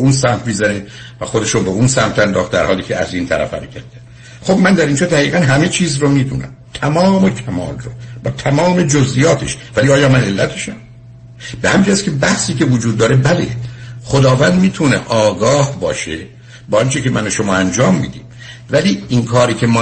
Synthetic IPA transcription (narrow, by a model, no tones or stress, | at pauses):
unsæmt̪ʰmizæne | væxod̪e̞ʃobeunsæmt̪ʰænd̪ɒːxt̪d̪æ̰ɾhɒːliːcʰeæ̰ziːnt̪ʰæɾæ̰fæ̰mecʰʲæɾd̪e | xobmænd̪æɾind͡ʒɒːd̪æɣiːɣænɦæme̞t͡ʃʰiːzromiːd̪ṵːnæ̰mt̪ʰæmɒːmecʰæmɒ̰ːlrob̥ɒːt̪ʰæmɒːme̞d͡ʒozʔijɒːt̪ʰe̞̰ʃvæliɒːjɒːmæne̞lːæt̪ʰeʃæm | behæminːd͡ʒæskʲʰe̞bæhsiːcʲe̞vod͡ʒuːd̪ːɒːɾebælḛxod̪ɒːvænd̪miːt̪ʰunḛʔɒːɡɒːhbɒːʃe | bɒːɒnt͡ʃecʰemʔænoʃomɒːænd͡ʒɒːmːḭːd̪ḭːm | væliinkʰɒːɾiːcʰe̞mɒː